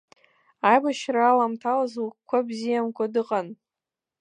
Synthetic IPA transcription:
ajbaʃraːlamtʰalazwkkʷʰːabzijamkʷʰadɨqʼan

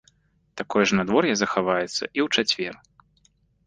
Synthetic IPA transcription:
t̪akɔjɛʐnad̪vɔrjɐzɐxavajɛt̪sːɐ̰ʔiwt͡ʂat͡sʲvʲɛr

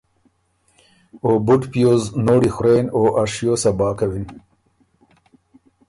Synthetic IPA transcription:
obʊʈpijoznoɽixʊɾeːnoːʔaʂjoːsɐbɑːkawin

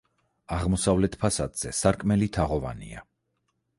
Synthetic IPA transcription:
aʁmɔsavlɛt̪ʰpʰasad̪z̥ɛsaɾkʼmɛlit̪ʰaʁɔva̰nḭa̰

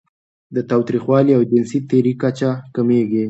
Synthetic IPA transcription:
d̪ət̪ɑwt̪ɾixwɑliawd͡ʒɪnsit̪eɾikat͡ʃakameɡi

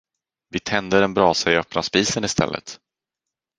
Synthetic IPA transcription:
vɪt̪ʰɛnd̪əɾɛnbɾɑːsaɪœpnaspiːsənɪst̪ʰɛ̰lːə̰t̪

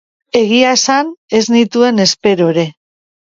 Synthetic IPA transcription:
e̞ɣiaesane̞znit̪ue̞ne̞spe̞ɾo̞ɾe̞

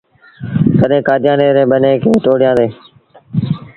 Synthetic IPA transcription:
kəɗɦẽːkaːd͡ʒjãːneːɾẽːɓənẽːkʰeːʈoːɽɪjãːd̪eː

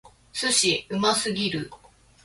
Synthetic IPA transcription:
sɨɕiɯ̟masɨɡʲiɾɯ̟

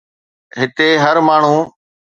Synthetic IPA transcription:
ɦɪt̪eːɦəɾmaːɳ̤ũː

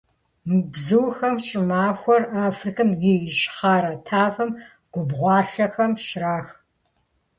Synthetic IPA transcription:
mɨbzɨwxɐmɕʼɪmaːxʷɔraːfrikʰɐmjejʃχaːɾɐtʰaːfɐm | ɡ̥ʷʊbʁʷɑːɬɐxɐmʃraːx

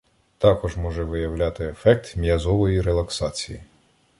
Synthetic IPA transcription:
t̪ɑkɔʒmɔʒɛʋɪjɐwlʲɑt̪ɪefɛk̚t̪mʲijɐzɔʋɔjiɾelˠɐksɑt͡sʲiji

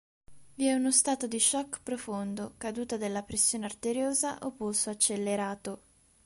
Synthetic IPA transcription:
viɛunost̪aːt̪od̪iʃːɔkːpɾofond̪okad̪uːt̪ad̪elːapɾesːjoːneart̪eɾjoːzaʔopːusoat͡ʃːelːeɾaːt̪o

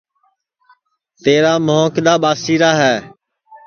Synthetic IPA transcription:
t̪eːɾaːmõːkɗ̪aːɓaːsiːɾaːɦɛː

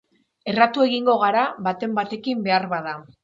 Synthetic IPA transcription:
e̞rat̪ue̞ɣiŋɡo̞ɣ̞aɾaβat̪e̞mbat̪e̞kimbe̞aɾβaða

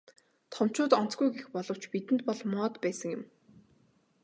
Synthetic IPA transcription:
t̪ʰɔm̥t͡ɕʊːt̪ɔn̥t͡sɡujɡexpɔɮɞ̆w̥t͡ɕpit̪ɘ̆nt̪̚pɔɮmɔːt̪pæːsə̆ŋjʊ̆m

